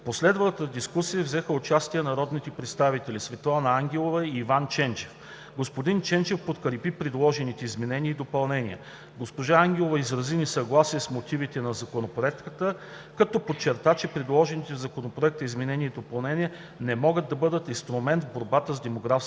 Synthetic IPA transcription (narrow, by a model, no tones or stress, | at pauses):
poslɛd̪vət̪əd̪iskusijəvzɛxəʊt͡ʃast̪ijənɐɾɔd̪nit̪ɛpɾɛt̪st̪avit̪ɛlʲisvɛt̪lˠanɐaŋɡʲɛlˠovəiːvant͡ʃɛnt͡ʃɛ̥f | ɡospod̪int͡ʃɛnt͡ʃɛfpot̪kəɾipipɾɛd̪lˠɔʒɛnit̪ɛizmɛnɛniəid̪opɐlˠnɛnʲiə̰ | ɡospoʒaaŋɡʲɛlˠovɐizɾɐzinisɐɡlˠasiəsmot̪ivit̪ɛnɐzɐkonopɾɛt̪kət̪ə | kɐt̪ɔpot͡ʃːɛɾt̪at͡ʃɛpɾɛd̪lˠɔʒɛnit̪ɛvzɐkonopɾoɛk̚t̪əizmɛnɛnʲiəid̪opɐlˠnɛnʲiə | nɛmɔɡəd̪̚d̪ːɐbɤd̪ət̪inst̪ɾʊmɛnt̪vboɾbat̪əzd̪ɛmoɡɾaf